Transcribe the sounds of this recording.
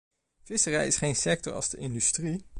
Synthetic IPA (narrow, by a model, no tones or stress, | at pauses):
v̥ɪsərɛjɪsχejnsɛk̚tɔ̰ɹɑ̰lˠzdəʔɪndystri